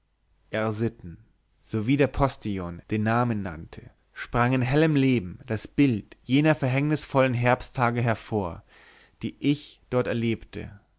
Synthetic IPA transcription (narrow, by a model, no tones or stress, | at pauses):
ʔɛɐzɪtn̩ | z̥oviːdeːɐpʰɔstʰiɔnd̥eːnːaːmənːa̰ntʰə | ʃpʁ̥aŋɪnɦɛləmleːbm̩d̥asb̥ɪltjeːnɐfɛɐɦɛŋnɪsfɔlənɦɛɐpstʰaːɡəɦɛɐfoːɐ | d̥iːʔɪçd̥ɔɐtɛɐleːptə̰